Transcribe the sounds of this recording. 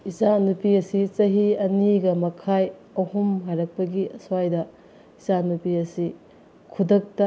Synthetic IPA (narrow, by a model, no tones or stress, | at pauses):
izanupiɐsit͡ʃɐɦiɐniɡɐmɐkʰaj | ɐhumɦajɾɐk̚pɐɡiɐswajdɐ | izanupiɐsi | kʰudɐk̚tɐ